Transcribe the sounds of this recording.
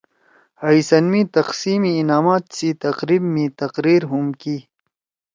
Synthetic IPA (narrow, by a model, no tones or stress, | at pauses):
hɐisɐnmĩt̪ɐqsiːmiːnaːmaːt̪sit̪ɐqɾibmĩt̪ɐqɾiːɾɦumki